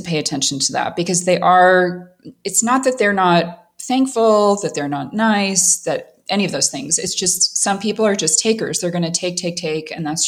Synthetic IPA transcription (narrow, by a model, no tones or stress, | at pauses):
ɨpʰeɪɨtʰɛ̃nʃn̩tʰəðæ̰t̚b̥ɨkʌzðeɪʔə˞ | ɨtsnət̪̚ðɨt̪̚ðə˞nət̪̚ | θæ̃ŋkfl̩ˠðɨt̪̚ðə˞nətⁿnaɪsðɨɾ | ʔɛñiʌvðoʊz̥θɪ̃ŋzɨ̰tsd̥ʒ̥ʌstsʌ̃mpʰipl̩ˠə˞d͡ʒʌstʰeɪkə̰˞zðə˞ɡʌñɨtʰeɪk̚tʰeɪk̚tʰeɪkɨ̰̃nðæts